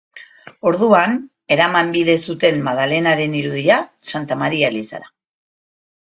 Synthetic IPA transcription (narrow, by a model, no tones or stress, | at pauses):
o̞ɾðuan | e̞ɾamambiðe̞sut̪e̞mmað̞ale̞naɾe̞niɾuðiasant̪amaɾialisa̰ɾa